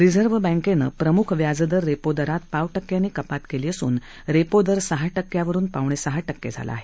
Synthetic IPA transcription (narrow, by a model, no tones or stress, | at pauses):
ɾid͡zəɾʋbə̃ŋkenə̰ːpɾəmukʰʋjad͡zd̪əɾːepod̪əɾat̪̚paʋʈəkːjanːiːkəpat̪keliːəsṵːn | ɾepod̪əɾsəɦaʈəkːjaʋəɾuːnpaʋɳ̃esəɦaʈəkːḛd͡zʱa̰la̰a̰ɦe